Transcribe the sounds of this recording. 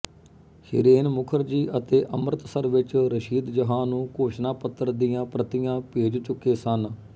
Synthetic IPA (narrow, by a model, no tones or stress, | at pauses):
hɪ̰ɾeːnmʊkʰəɾd͡ʒiːʔət̪eːʔəmɾət̪səɾʋɪt͡ʃɾəʃiːd̪d͡ʒəɦãːnũːkoːʃnaːpət̪ːəɾd̪ijãːpɾət̪ɪjãːpeːd͡ʒt͡ʃʊkeːsən